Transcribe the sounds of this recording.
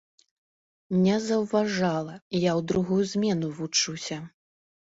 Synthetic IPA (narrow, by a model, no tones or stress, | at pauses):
nʲɛzɐwvaʐalˠɐjawd̪ɾuɣujuzʲmʲɛnuvut͡ʂusʲɐ